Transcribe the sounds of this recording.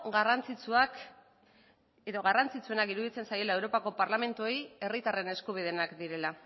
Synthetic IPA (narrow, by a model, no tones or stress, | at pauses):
ɣarant͡sit͡suak | eðo̞ɣarant͡sit͡sue̞nakiɾuðit͡se̞nsaje̞laewɾopako̞paɾlame̞nt̪uo̞je̞rit̪are̞ne̞skuβ̞ið̞e̞nakd̪iɾe̞la